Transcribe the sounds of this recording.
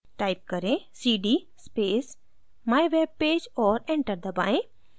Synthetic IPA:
ʈaːɪp̚kəɾẽsiːɖi | speːs | maːjʋeːb̚peːd͡ʒɔːɾẽɳʈəɾd̪əbaːẽ

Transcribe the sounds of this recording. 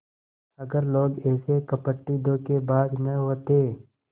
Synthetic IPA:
ɐɡəɾloːɡɛːsekɐpəʈːid̪õkebaːd̪nəɦoːt̪eː

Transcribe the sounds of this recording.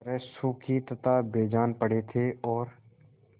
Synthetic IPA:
ɾɛːsuːkʰit̪ət̪aːbeːd͡ʒaːnpəɽ̤eːt̪ʰeːɔːɾ

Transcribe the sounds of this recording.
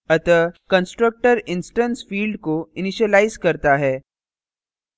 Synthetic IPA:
ɐt̪əkɐ̃nsʈɾək̚ʈəɾɪ̃nsʈə̃nsfiːlɖkoɪnɪʃəlaːɪzkɐɾt̪aɦɛː

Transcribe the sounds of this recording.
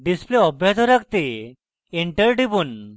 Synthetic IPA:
ɖispleɔbʱjad͡zɔɾakt̪e | eɳʈəɾɖibun

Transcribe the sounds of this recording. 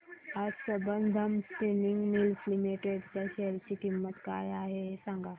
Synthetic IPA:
asəbənd̪ʱəmstiniŋɡmilflimeʈeɽt͡ɕaɕeɾt͡ɕiːkimːət̪kajaɦesãŋɡa

